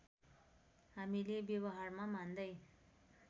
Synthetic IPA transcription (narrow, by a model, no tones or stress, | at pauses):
ɦamilebjʌβʌɦarmamand̪ʌj